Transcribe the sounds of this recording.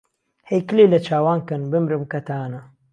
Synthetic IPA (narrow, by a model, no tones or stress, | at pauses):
hejkɨlelɐt͡ʃʰaːwaːnkɐnbɨmɾɨmkɐt̪ʰaːnɐ